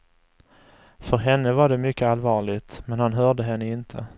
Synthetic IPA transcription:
fœɾɦɛnːəvaɖɛmʏkːəalvɑːɭɪt̪mɛnhanɦœːɖəɦɛnːəɪnt̪ʰə̰

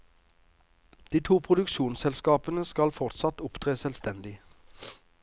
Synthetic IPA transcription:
d̪̥iːt̪ʰuːpʰʁʊd̪ʉkʃuːnsɛlskɑːpənəskɑlfɔʁt̪sɑt̪ʊpt̪ʰʁeːsɛlst̪ɛnd̪ɪ

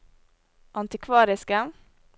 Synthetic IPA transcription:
ʔɑnt̪ɪkʰvɑːɾɪskə

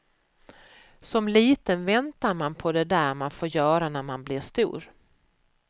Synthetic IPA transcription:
sɔmliːt̪ənvɛnt̪aɾmanpʰɔd̪ɛd̪æːɾmanfoːɾjœːɾanæɾmanblɪʂt̪ṵːɾ

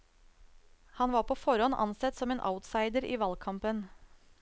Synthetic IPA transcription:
hɑnʋɑːɾpʰoːfɔɾɔnʔɑ̰nsɛt̪sɔmeːnʔa̰ʊt̪sɑɪd̪əɾiːʋɑlkʰɑmpən

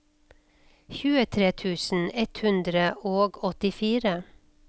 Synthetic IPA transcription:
çʉːət̪ʰɾeːt̪ʰʉːsn̩ɛt̪hʉnd̪ɾəʔoːɡɔt̪ɪfiːɾə

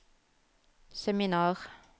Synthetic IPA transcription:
sɛminɑːʁ

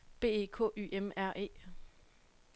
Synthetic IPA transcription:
b̥e̝̰ːe̝̰ːkʰɔ̰̽ːy̰ːʔemæɐ̰ʔe̝̰ː

